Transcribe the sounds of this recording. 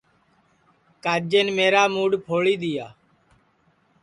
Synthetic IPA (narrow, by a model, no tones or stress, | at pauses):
kaːd͡ʒeːnmeːɾaːmuːɖpʰoːɭiːd̪ɪjaː